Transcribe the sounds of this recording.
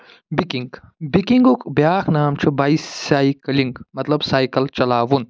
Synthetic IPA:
bikiŋɡbikiŋɡukbjaːkʰnaːmt͡ʃʰubaisaːikɐliŋɡmɐt̪lɐbsaːjkɐlt͡ʃɐlaːʋun

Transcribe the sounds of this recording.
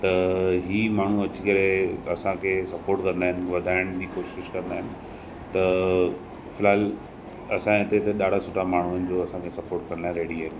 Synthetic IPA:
t̪ɐɦiːmaːɳ̤uɐt͡ɕikɐɾeɐsãkʰesɐpoːɾʈkɐ̃nd̪aːɦɪ̃nɪ̆ʋɐd̪ʱaːɪɽ̃d͡ʑiːkoːʃɪʃkɐ̃nd̪aːɦɪnɪ̆ | t̪ɐ | fɪlaːɪl | ɐsãt̪et̪ɐɗaːɽ̤asʊʈʰamaːɳ̤uənɪ̆d͡ʑoɐsãkʰesɐpoːɾʈkɐ̃nd̪aɦɾeːɽiaːɦɪnɪ̆

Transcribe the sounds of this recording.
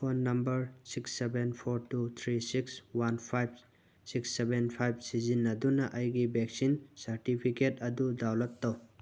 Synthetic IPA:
pʰonːɐmbɐɾsiksːebenpʰoɾtut̪ʰɾisikswanpʰajb̚ | siksːebenpʰajb̚sizinːɐdunɐʔɐjɡibeksinsɐɾtipʰiketɐdudawlɐtːow

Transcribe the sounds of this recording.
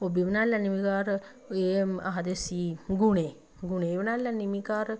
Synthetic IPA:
obiʋənaːlːanimikaːɾə | eaɦad̪esiːɡuneː | ɡuneʋənaːlːanːimikaːɾə

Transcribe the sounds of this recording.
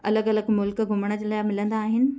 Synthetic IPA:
ɐ̰ləɡɐləɡmʊlkɡʱʊməɽ̃ə̆d͡ʑeːlaːmɪlə̃nd̪aːɦɪnɪ̆

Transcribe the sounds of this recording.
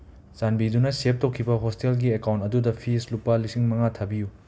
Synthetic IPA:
sanbidunɐsep̚tokʰːibɐɦostelɡiekawntɐdudɐpʰislupːɐlisiŋmɐŋatʰɐbiju

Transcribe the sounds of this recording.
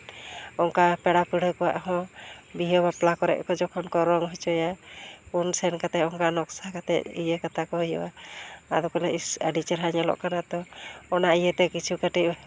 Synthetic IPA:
ɔŋkapɛɽapəɽəkɔwa̰ʔɦɔ̃biɦɔbaplakɔɾɛ̰ʔ̚kɔd͡ʒɔkʰɔnkɔɾɔŋɦɔt͡ʃɔjapunsɛnkat̪ɛɔŋkanɔksakat̪ɛ̰ʔḭjəkat̪akɔjɔ̰waad̪ɔkɔlɛəɖit͡ʃəɾɦaɲəlɔ̰ʔkanat̪ɔːnaijət̪ɛkit͡ʃʰukaʈiʔ

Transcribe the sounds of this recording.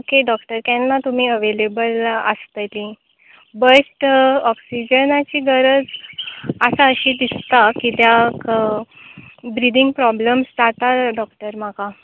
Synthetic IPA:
okeɖɔkʈəɾkanːat̪um̤iːəʋelebələ̰st̪əlĩ | bəʈɔksid͡ʑənat͡ɕiːɡəɾəd͡z | asaəɕiːd̪ist̪akit̪jak | bɾid̪iŋɡpɾɔbləmsd͡zat̪aɖɔkʈəɾmaka

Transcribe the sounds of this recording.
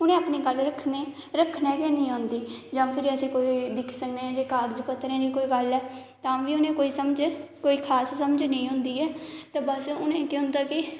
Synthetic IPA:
ʊnẽːaːpneːɡəlɾəkʰneː | ɾəkʰnɛ̃ːkeːnĩːãːnd̪iːd͡ʒãːpʰɪɾiəsĩːkoːid̪ɪkʰsəknẽːɛ̃ːd͡ʒeːkaːɾd͡ʒpət̪ːɾẽːd̪iːkoːiːɡəlɛːt̪ãːʋiːʊnẽːkoːiːsəməd͡ʒkoːiːkʰaːssəmd͡ʒnəĩːɦʊ̃nd̪iːɛːt̪ẽːbəsʊnẽːkeɦʊ̃nd̪aːkɪ

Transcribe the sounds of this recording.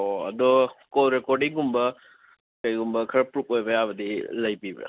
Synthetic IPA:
oɐ̰dɔkɔɾekɔɾɖiŋɡumbɐ | kajɡumbɐkʰɐɾɐpɾup̚ojbɐjaβɐdilɐjpibɐ̰

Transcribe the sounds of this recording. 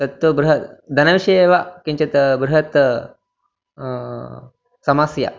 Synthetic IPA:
t̪ɐt̪ʋubɾuɦɐt̪d̪ʱɐnɐʋiʃeeʋakiɲt͡ʃɐt̪bɾuɦɐt̪ | sɐmasja̰

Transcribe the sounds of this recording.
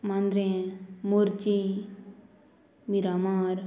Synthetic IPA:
mãnd̪ɾẽmuɾt͡ʃi | miɾamaːɾ

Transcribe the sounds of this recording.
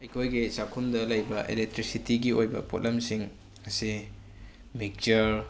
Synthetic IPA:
ɐjkʰojɡisakʰumdɐlɐjbɐʔḛlek̚tɾisitiɡiojbɐ̰pot̚lɐmsiŋ | ŋɐsi | mik̚t͡ʃɐɾ

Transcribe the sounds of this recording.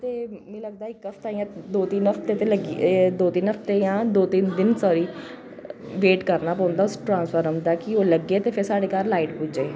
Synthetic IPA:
t̪eːmɛ̃ːləɡ̚d̪aːɪkːəfʰt̪aːijãːd̪oːt̪iːnəft̪eːt̪eːləɡd̪oːt̪iːnəft̪eːjãːd̪oːt̪ind̪ɪnsɔːɾiː | ʋeːʈkəɾnaːpɔ̃ːʊ̃nd̪aʊsʈɾãːnspʰəːɾəmd̪aːkɪoːləɡeːt̪eːpʰɪɾsaːɽeːkaːɾlaːiʈpud͡ʒeː

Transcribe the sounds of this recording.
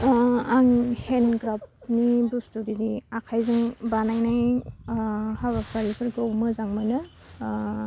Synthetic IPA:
aŋhenɡɾap̚nibustuɾiɾiakʰajzɯŋbanajnaj | haβapʰaɾipʰɯɾɡawmɯzaŋmanɯ

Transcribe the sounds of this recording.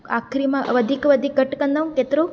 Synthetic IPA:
a̰kʰɾimãʋəd̪ʱikʋəd̪ʱik̚ɡəʈkənd̪aũket̪ɾo

